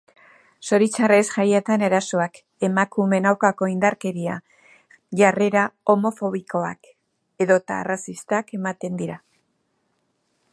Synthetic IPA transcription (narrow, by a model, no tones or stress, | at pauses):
so̞ɾit͡saresʝajet̪ane̞ɾaso̞ak | e̞makume̞nawkako̞ind̪aɾke̞ɾia̰ | ʝare̞ɾao̞mo̞fo̞βiko̞a̰k | e̞ðo̞t̪a̰ːrasist̪ake̞mat̪e̞nd̪iɾa